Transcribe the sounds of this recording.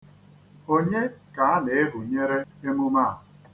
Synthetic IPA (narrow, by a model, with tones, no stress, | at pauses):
o˦ɲe˦ka˨a˦nɪ˨ɪ˦ɦʊ˨ɲe˦ɾe˦e˦mʊ˦ma˦˨